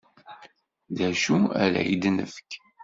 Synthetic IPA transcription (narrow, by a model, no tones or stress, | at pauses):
ðæʃuæɾæ̰ḭd̪nə̰fə̥k